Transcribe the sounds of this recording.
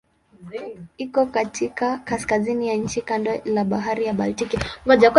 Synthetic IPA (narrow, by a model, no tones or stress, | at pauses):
ikɔkatʰikakaskazinijaɲ̩t͡ʃikandɔlaɓaɦaɾijaɓaltikivaʄaku